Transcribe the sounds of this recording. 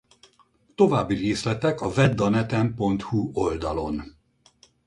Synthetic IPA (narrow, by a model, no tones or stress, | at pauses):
t̪o̞vaːbːireːslɛt̪ɛkɒvɛd̪ːɒnɛt̪ɛmpo̞nt̪huo̞ld̪ɒlo̞n